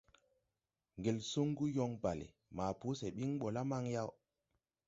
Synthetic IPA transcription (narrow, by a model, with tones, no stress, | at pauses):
ŋɡe˨lsu˦ŋɡu˦jɔ˦ŋba˨lḛ˨ | ma˨pu˦se˨ɓi˦ŋɓo˨la˦ma˦ŋja˦w